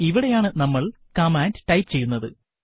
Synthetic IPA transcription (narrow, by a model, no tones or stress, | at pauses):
iʋiɽe̞jaːɳɨnɐmːɐɭ | kɐmaːndʈɐjpɨt͡ɕe̞jːunːɐðɨ̰